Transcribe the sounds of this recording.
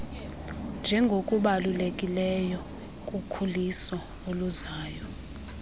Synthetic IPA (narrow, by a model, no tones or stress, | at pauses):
nd͡ʒʱɛŋɡʱokʼuɓalulekʼilɛjɔ | kʼukʰulisɔ | oluzaːjɔ